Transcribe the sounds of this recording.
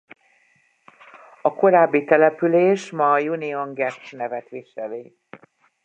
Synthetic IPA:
ɒko̞ɾaːbːit̪ɛlɛpyleːʃmɒːjunioŋɡɛtsnɛvɛt̪ʋiʃɛleː

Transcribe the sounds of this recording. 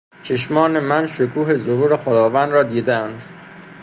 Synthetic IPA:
t͡ʃʰe̞ʃmɒːnemænʃokʰuːɦe̞zohuːɾe̞xod̪ɒːvænd̪ɾɒːd̪iːd̪eænd̪

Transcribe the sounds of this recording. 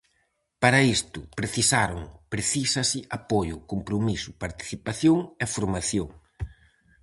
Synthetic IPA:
paɾɐist̪ʊpɾeθisaɾʊŋpɾeθisɐsɪʔapojʊkompɾomisʊpaɾt̪i̥θipaθjoŋɛfoɾmaθjoŋ

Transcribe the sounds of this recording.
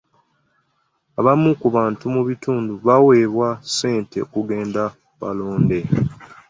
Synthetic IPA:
aβamːukuβaːntumuβituːnduβawe̞ːβwase̞ːnte̞̰okuɡe̞ːnda | βa̰lo̞ːnde̞

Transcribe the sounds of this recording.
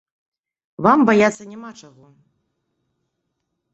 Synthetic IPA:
vambajat̪sːɐnʲamat͡ʂaɣɔ

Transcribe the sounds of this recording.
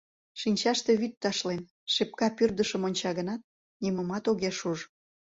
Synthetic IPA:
ʃinʲt͡ɕɑʃt̪e̽βyt̪ːɑʃlen | ʃep̚kɑpyrd̪əʃəmonʲt͡ɕɑɣənɑt̪̚ | niməmɑt̪oɣeʃuʒ

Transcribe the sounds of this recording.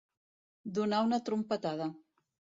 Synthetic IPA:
d̪unawnət̪ɾumpət̪aðə

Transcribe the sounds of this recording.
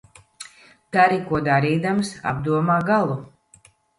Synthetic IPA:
t̪aɾikuɔd̪aɾiːd̪amsa̰bd̪uɔmaːɡalˠu

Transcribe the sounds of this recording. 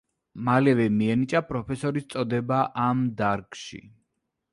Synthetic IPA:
malɛvɛmiɛnit͡ʃʼapʼɾɔpʰɛsɔɾist̪sʼɔd̪ɛbaʔamd̪aɾkʃḭ

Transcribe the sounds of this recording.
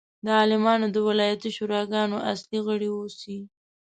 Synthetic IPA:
d̪əɑlɪmɑnod̪əwɪlɑjat̪iʃuɾɑɡɑnoʔasliɣəɽiosi

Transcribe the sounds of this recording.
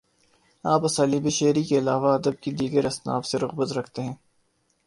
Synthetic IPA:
aːpɐsaːlibeʃeːɾikeɪlaːʋaɐd̪əb̚kid̪iːɡəɾɐsna̰ːfseɾʊɣbət̪ɾɐkʰt̪eɦɛ̃ː

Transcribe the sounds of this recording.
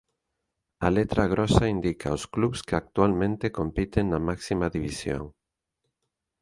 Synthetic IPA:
a̰let̪ɾaɣ̞ɾʔɔsaind̪ikʰa̰oskluβskeak̚t̪ualmẽnt̪ekompit̪eŋnamaksimaðiβisjo̰ŋ

